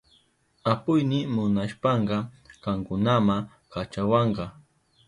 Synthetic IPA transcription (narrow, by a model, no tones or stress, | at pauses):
apʊjnɪmʊnaʃpɑɴɢɑkɑŋkʊnama | kat͡ʃawɑɴɢɑ